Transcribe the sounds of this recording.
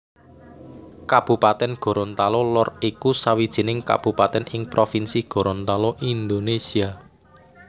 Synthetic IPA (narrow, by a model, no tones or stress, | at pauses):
kab̥ṳpat̪ɛnɡ̥o̤ɾont̪alolɔrikusawid̥ʒ̥i̤nɪŋka̰b̥ṳpat̪ɛnɪŋpɾofinsiɡ̥o̤ɾont̪aloʔind̪onesia